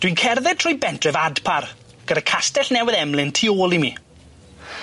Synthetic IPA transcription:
d̥winkʰɛrðɛd̚tʰrʊːjbɛntʰrɛvadpʰar | ɡ̥əɾakʰastɛɬnɛwɪðɛmlɪntʰioːlˠimiː

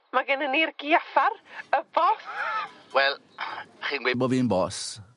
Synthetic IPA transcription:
maɡənənirɡ̥iafarəbɔswɛlˠ | χiːnɡwebɔviːnbɔs

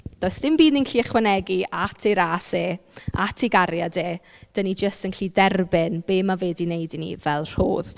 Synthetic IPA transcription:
d̥ɔɨsdɪmbiːdninɬiːɛχwɛnɛɡiatʰejɾaːseːatʰeɡaɾjadeːd̥ənid͡ʒəstənɬiːdɛrbɪnb̥eːmaveːdinejdinḭvɛlˠr̥o̰ːð

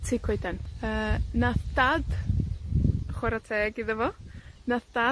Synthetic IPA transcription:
tʰiːkʰwejdɛnəːnaθd̥ad | χwɛɾatʰɛːɡɪðəvɔnaθd̥a

